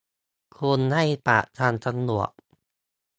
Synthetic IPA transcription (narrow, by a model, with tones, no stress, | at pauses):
kʰu˧nha˥˩jpa̰˨˩ʔt͡ɕʰa˧nsa˧nu˨˩ək̚